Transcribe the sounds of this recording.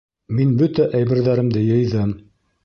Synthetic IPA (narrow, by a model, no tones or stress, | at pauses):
minbɵt̪æʔæjbɘ̆ɾðæɾɘ̆md̪ɘjɤ̆jðɤm